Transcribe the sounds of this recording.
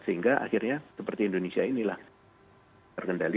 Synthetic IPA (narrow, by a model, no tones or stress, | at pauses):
səɦiŋɡaʔa̰xirɲasəpərt̪iːndonesiainilah | arkəndali